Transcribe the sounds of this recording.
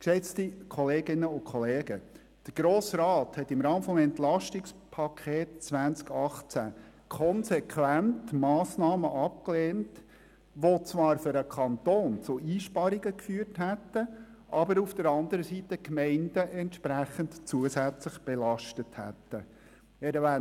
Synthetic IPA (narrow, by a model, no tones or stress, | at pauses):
kʃɛt͡stikʰɔleːɡɪnəʊkʰɔleːɡ̥ə | d̥əɾɡ̥ɾoːsrɑːthɛtːɪmɾɑːmfɔmɛntlɑʃtɪkspʰɑkʰeːtt͡sʋænt͡skɑχt͡sæ̰ | kʰɔnsɛkʰwæntmɑːsnɑːməʔɑp̚kleːnt | ʋot͡sʋɑːɾføɾəkʰɑnt̪oːnt͡sʊʔiːʃpɑɾɪɡəkfyːərtɦætːə | ʔɑbəɾufd̥əɾɑnd̪əɾəsitəkmɛɪnd̥əʔɛntʃpɾæχəntt͡suəsæt͡slɪχb̥ɛlɑʃtəthæ̰tːə | ɛɾəʋæ